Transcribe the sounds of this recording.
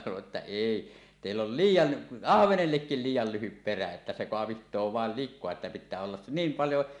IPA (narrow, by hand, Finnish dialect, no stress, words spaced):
sɑnoʔ ʔetːæ eˑi teˑilː ol liːjˑɑn ɑhʋenelːekːil liːjˑɑl lyhyp peræ etːæ se koɑʋihtˑoː ʋɑˑel likˑoɑ etːæ pitˑæː olːɑs s niːm pɑljo